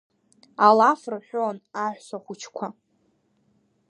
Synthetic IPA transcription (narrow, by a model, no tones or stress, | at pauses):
alafrħʷᶣonaħʷsʷaχʷut͡ʃʰkʷʰa